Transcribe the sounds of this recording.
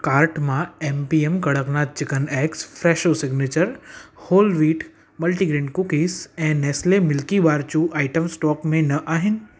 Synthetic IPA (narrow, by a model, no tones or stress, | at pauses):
kaːɾʈmãeːmpiːemkɐɽəknaːt̪̚t͡ʃɪkənɛːkspʰɾɛːʃosɪɡnet͡ɕəɾhoːlʋiːʈ | mɐlʈiɡɾẽːɳɖkʊkiːsɛ̃ːnɛːslemɪlkiʋaːɾt͡ʃũʔaːɪʈəmsʈɔːkmẽnɐʔaːɦɪnɪ̆